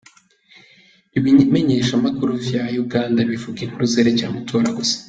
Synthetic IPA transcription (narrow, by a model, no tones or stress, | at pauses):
iβime̞ɲe̞ʃamakuɾuvjaːjuɡaːndaβivuɡeŋ̥huɾuzeɾecaːmatʰoːɾaɡusḁ